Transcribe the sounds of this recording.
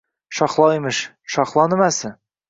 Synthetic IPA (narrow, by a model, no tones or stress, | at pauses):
ʃɒχlˠɑimɘʃ | ʃɒχlˠɑnɘ̆mæsɘ